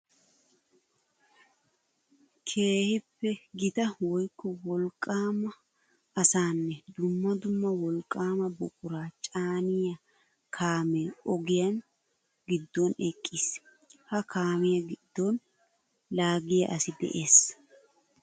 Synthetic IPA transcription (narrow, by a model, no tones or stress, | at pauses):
kʰe̞ːhɪpːɛɡɪt̪ɐwɔjkːɔwɔlkʼaːmɐ | ʔɐsaːnːɛd̪ʊmːɐd̪ʊmːɐwɔlkʼːaːmɐbɔkʼʊɾaːt͡ʃʼaːnɪjɐ | kʰaːmeːɔɡɪjɐn | ɡɪd̪ːonɛkʼːiːs | hɐkʰaːmɪjɐɡɪd̪ːon | laːɡɪjɐʔɐsɪd̪ɛ̰ʔe̞ːs